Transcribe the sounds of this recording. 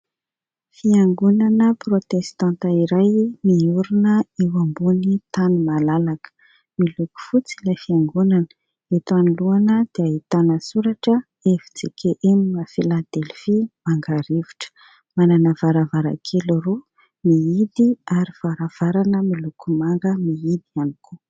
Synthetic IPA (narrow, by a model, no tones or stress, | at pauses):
fiaŋɡunanəprot̪est̪ãnt̪əiɾajmiuɾinəewambunit̪animalalakə̥ | miluku̥fut͡silafiaŋɡunanə̥ | et̪aniluanəd̪̥eaɦit̪anəsuɾaʈ͡ʂə | evi̥t͡sikʰʲeʔenimafilad̪elfimaŋɡaɾeviʈ͡ʂə̥ | mananəvaɾavaɾa̰kʰeluru | miid̪iaɾiv̥aɾav̥aɾanəmilukʰumaŋɡəmiid̪ianikʰu